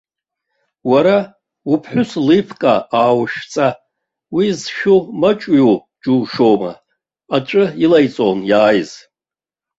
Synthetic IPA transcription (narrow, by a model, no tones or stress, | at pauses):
waɾa | upʰħʷʊslɨpʰkʼaaːwʃt͡sʼa | wizʃᶣumat͡ʃʼɥu | d͡ʒuːʃoma̰ | aʈ͡ʂʼɨilajt͡sʼonjaːjz